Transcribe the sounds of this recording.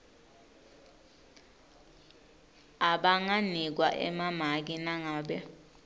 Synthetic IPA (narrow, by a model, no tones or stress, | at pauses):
aɓaŋanik̬wa̰ʔɛ̰mamak̬inaŋaːɓɛ